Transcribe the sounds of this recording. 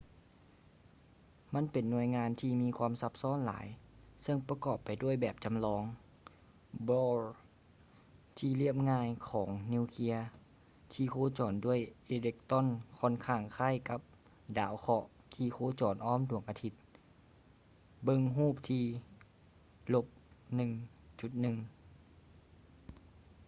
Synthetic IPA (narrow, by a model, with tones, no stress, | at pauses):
ma˧˥˨npe˨˩nːu˧˩əjŋaː˧˥nt̪ʰiː˧miː˧˨kʰwaː˧˥˨msa˧˥p̚sɔː˧˥˨nla̰ː˨˦jsɤ˧˨ŋpa˧kɔː˨˩pːa˨˩jdu˥˩əjbɛː˨˩p̚t͡ɕa˨mlɔː˧ŋ | bɔː˧l | t̪ʰiː˧li˥˩əp̚ŋaː˧˨jkʰɔː˩˦ŋni˧˥˨wkʰi˧˥ɐ | t̪ʰiː˧˩kʰoː˧˥t͡ɕɔː˨˩ndu˥˩˨əjʔeː˧le˧k̚t̪ɔ˧˥˨nkʰɔ˧˥˨nkʰaː˧˩ŋkʰaː˧˥˨jka˧˦p̚ | daː˨˦wxʰɔ˧ʔ | t̪ʰiː˧˩kʰoː˧˥˦t͡ɕɔː˨˩nʔɔː˧˥˨mdu˨˩əŋʔaː˧t̪ʰi˧˥t̪̚ | bɤ˧˨ŋɦuː˥˩p̚t̪ʰiː˧ | lo˧˥p̚nɯ˨˩ŋt͡ɕu˧˦t̪̚nɯ˨ŋ